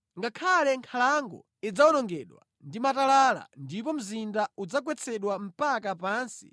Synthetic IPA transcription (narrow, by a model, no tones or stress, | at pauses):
ŋɡakʰalɛŋkʰalaŋɡɔ̰ | id͡zaɔɗɔŋɡɛɗwa̰ | ndimatalala̰ndip̬ɔm̩zindaud͡zak̬wɛt͡sʰɛɗwam̩pakapaːnsi̥̰